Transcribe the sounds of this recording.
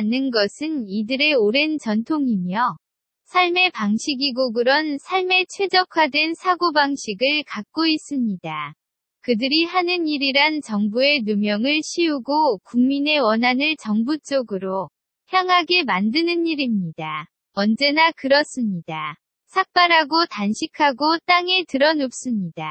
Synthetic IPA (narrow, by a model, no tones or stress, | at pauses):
anːɯnɡʌsʰɯnidɯɾe̞oɾe̞nt͡ɕʌntʰoŋimjʌ | sʰaɭme̞paŋɕʰiɡiɡoɡɯɾʌnsʰaɭme̞t͡ɕʰwe̞d͡ʑʌkʰadwe̞nsʰaɡobaŋɕʰiɡɯɭkak̚k͈ois͈ɯmɲida | kɯdɯɾihanɯniɾiɾant͡ɕʌŋbue̞numjʌŋɯɭɕʰiuɡokuŋmine̞wʌnɦanɯɭt͡ɕʌŋbut͡ɕ͈ʌɡɯɾo | ɸjaŋɦaɡe̞mandɯnɯniɾimɲida | ʌnd͡ʑe̞nakɯɾʌs͈ɯmɲida | sʰak̚p͈aɾɦaɡotanɕʰikʰaɡot͈aŋe̞tɯɾʌnop̚s͈ɯmɲida̰